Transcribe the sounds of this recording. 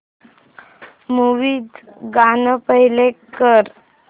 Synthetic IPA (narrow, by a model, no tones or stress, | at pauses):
muʋiːd̪ɡanəpəɦilekəɾ